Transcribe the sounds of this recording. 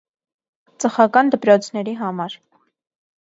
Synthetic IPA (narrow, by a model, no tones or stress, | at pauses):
t͡sʼəχɑkɑnd̪əpɾɔt͡sʰnɛɾiɦɑmɑɾ